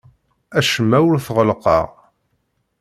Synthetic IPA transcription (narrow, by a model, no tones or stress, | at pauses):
æʃəmːæwɾθʁəlqɑ̰ʁ